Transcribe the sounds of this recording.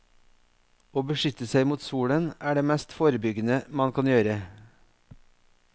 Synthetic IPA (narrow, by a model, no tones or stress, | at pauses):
oːbəʃʏt̪əsæɪmuːt̪suːɽənæːɖeːmɛst̪foːɾəbʏɡənəmɑnkʰɑnjøːɾə